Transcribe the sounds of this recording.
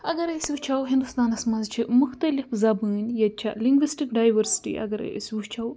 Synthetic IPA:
ɐɡɐɾɐswut͡ʃʰɐwɦind̪ust̪aːnɐsmɐnzt͡ʃʰimuxt̪ɐlifzɐbɨːnjɐt͡ʃʰɐ̰liŋɡʋisʈikɖaːjʋɐɾsi̥ʈḭʔɐ̰ɡɐɾɐ̰ḭswut͡ʃʰɐw

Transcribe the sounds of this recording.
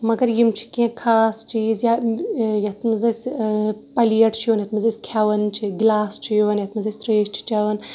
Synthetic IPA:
mɐɡɐɾjimt͡ʃʰi̥kiẽkʰaːst͡ʃiːzjajɐt̪ʰmɐzɐsʲpɐlijɐʈʰt͡ʃʰiʋɐnjɐt̪mɐzɐsʲkʰjaʋɐnt͡ʃʰiɡlaːst͡ʃʰijʋɐnjɐt̪mɐzɐsʲt̪ɾeːsʈʰi̥t͡ʃaʋɐn

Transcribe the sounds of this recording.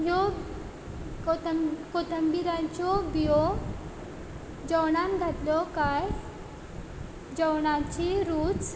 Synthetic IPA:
ɦjɔ | kot̪əmbiɾãt͡ɕɔbijɔ | d͡ʑəwɳanɡʱat̪lɔkaj | d͡ʑəwɳat͡ɕiɾuːt͡s

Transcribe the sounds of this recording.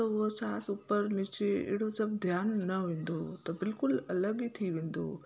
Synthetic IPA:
ɐʊɦosaːsuːpəɾnit͡ʃeɪ̰ɽosɐb̚d̪ʱjaːnːɐʋẽːn̆d̪ot̪ɐbɪlkʊlɐləɡit̪ʰiʋẽːn̆d̪o̰ː

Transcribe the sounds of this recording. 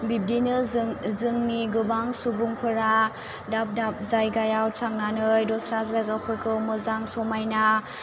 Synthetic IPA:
bip̚dinɯzɯŋniɡɯbaŋsubuŋpʰɯɾa | dap̚dap̚zajɡajawtʰaŋnanɯjdɔsɾazaɡapʰɯɾkʰɯwmɯzaŋsɔmajna

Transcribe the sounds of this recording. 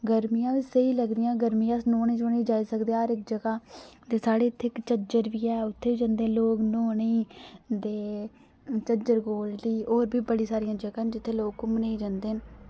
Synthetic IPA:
ɡəɾmijãːʋiːsəiːləɡd̪ɪjãːɡəɾmijãːsnoːneːd͡ʒoːneːd͡ʒaːiːsəkd̪eːɾɪk̚d͡ʒəɡaːt̪eːsaːɽeːt̪ʰːɪkt͡ʃəd͡ʒəɾʋiːɛːʊt̪ʰːeːiːd͡ʒãːnd̪eːloːknoːniːd̪eː | t͡ʃəd͡ʒəɾɡoːld̪iːoːɾbʱiːbəɽiːsaːɾijãːd͡ʒəɡãːnd͡ʒɪt̪ʰːeːloːkkʊmneiːd͡ʒãːnd̪eː

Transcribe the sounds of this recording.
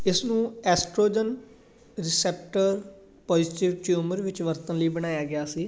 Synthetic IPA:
ɪsnũːɛːsʈɾoːd͡ʒən | ɾɪsɛːp̚ʈəɾ | pɔːd͡ʒɪʈɪʋʈjuːməɾʋɪt͡ʃʋəɾt̪ənləiːbəɽ̃aːjaːɡɪjaːsiː

